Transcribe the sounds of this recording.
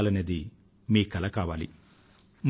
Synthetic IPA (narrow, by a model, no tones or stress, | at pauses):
lɐneːd̪i | miːkɐlɐkaːʋaːlḭ | m